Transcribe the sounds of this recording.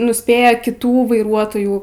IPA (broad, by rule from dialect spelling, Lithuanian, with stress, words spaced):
nʊsʲˈpʲeːjɛ kʲɪˈtuː ʋɐɪˈruɔtoːjuː